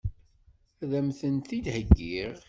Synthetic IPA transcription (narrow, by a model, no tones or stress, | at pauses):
æðæmθənt̪id̪həɡːiʁ